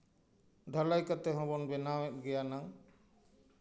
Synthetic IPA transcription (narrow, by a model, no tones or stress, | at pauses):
d̪ʱəlajkət̪eɦɔ̃bɔnbɛnawɛt̚ɡɛjanaŋ